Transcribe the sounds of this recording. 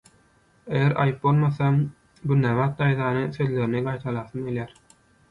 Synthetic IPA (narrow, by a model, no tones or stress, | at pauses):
ejeɾʔɑ̰jɯp̚bo̞lˠmɑθɑ | bynæβɑːt̪̚d̪ɑjðɑːnɯsøðleɾiniɡɑjt̪ʰɑlˠɑːθɯmɡelʲjæːɾ